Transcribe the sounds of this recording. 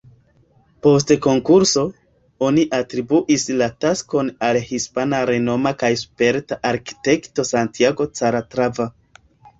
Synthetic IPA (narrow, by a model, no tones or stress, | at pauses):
po̞s̬teko̞ŋkuɾso̞ | o̞niʔatɾibuʔislatasko̞nalhispanaɾe̞no̞makajspe̞ɾtaʔaɾki̥te̞kto̞santiaɡo̞t͡saɾatɾava